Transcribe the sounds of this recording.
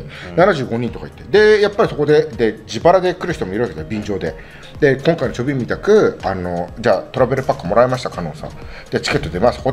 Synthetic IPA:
nanaʑɨ̟ːɡo̞ɲ̟ĩnt̪o̞ka̰i̥t̪ːe̞d̪e̞japːaɾʲiso̞kod̪e̞d̪e̞d͡ʑibaɾad̪e̞kɯ̟ɾɯ̟ç̥it̪omo̞iɾɯβaked̪ajobʲĩɲd͡ʑo̞ːd̪e̞ | d̪e̞kõ̞ŋkainot͡ɕobʲimʲit̪akɯ̟ano̞d͡ʑaːt̪o̞ɾabe̞ɾɯ̟pakːɯmo̞ɾaemaɕi̥t̪akano̞̰ːsã̰d̪̥et͡ɕi̥ke̞t̪ːo̞d̪e̞masɨ̥ko

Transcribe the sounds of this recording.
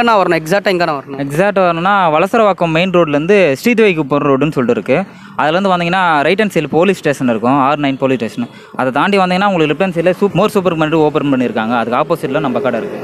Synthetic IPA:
ɐnãːʋɐɾɐnʊ̃ɛksaːʈːɛŋɡɐnãːʋɐɾɐnʊ̃ɛksaːk̚ʈːʋɐɾɐnʊ̃nːaːʋɐɭɐsɐɾɐʋaːkːɐmmeɪnɾoːɖlɐɾɯnd̪ɯsʈiːt̪ʋɐɪkːɯpoɾɾoːɖɯnːɯsɔlʈːɯɪɾɯkːɯ | ɐðɛlɐɾɯnd̪ɯʋɐnd̪iŋɐnːaːɾɐɪʈ̬ːɐnsɐjɪlpoːlisʈeːʂɐnɪɾɯkːʊ̃aːɾnɐɪnpoːlisʈeːʂɐn | ɐðɐt̪aːɳɖiʋɐnd̪iŋɡɐnːaːʊŋɡɐɭɯkːlɪpʈːɐnsɛjlɐsuːmoːɾsuːp̬ɐɾpɐnɾioːpɐnpɐɳːiɪɾɯkːaːŋɡɐɐðɯkːaːpoːsɪʈlɐ̃nɐmbɐkːaːɽɐɪɾɯkːɯ̰̃

